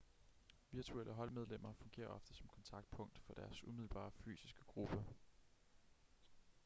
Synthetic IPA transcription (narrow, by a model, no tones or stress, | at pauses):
ʋiɐt͡sʰuelʔəɦɒ̽lmeð̞ˠlem̰ɐfɔ̽ŋɡ̥e̝̰ːɐʔɒ̽fd̥əsɒ̽mkʰɒ̽nt͡sʰɑ̈ɡ̥̚d̥̚pʰɔ̽ŋ̰d̥fɒ̽d̥æɐsumiðˠlb̥ɑ̰̈ːfy̰ːsisɡ̥ə̥ɡ̥ʁub̥ə